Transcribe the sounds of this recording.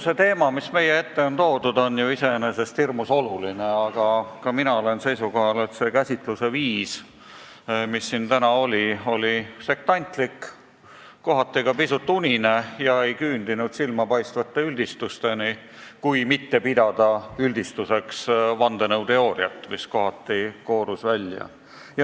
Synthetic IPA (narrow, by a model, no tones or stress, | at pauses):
se̞t̪e̞ːmɑmisme̞jee̞t̪ːe̞o̞nt̪o̞ːd̪ud̪o̞njuise̞nese̞st̪hirmuso̞lulineɑɡ̥ɑkɑminɑole̞nse̞jsuko̞ɦɑle̞t̪se̞kæsʲit̪ˑluse̞viːs | misːint̪ænɑo̞lʲio̞lʲise̞k̚t̪ɑnʲt̪ˑlikː | o̞ɦɑt̪ˑːikɑpisut̪ːˑunʲine̞jɑe̞jkyːnd̪inud̪̥silmɑpɑjst̪vɑt̪ːˑeylʲd̪̥ist̪ust̪e̞ni | kujmit̪ːe̞pid̪̥ɑd̪̥ɑylʲd̪̥ist̪use̞ksvɑnd̪̥e̞nɤwt̪e̞o̞ːɾiɑt̪ːˑmisko̞ɦɑt̪ːˑiko̞ːɾusvælʲjɑ̰ | jɑ